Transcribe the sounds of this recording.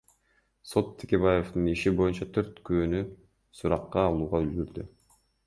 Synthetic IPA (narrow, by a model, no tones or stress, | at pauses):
so̞t̪ʰːe̥kʲe̞βaje̞vt̪ɯniʃibo̞junt͡ʃɑt̪ʰø̞ɾt̪køːny | suɾɑqːɑːlˠuːʁɑølɡyɾd̪y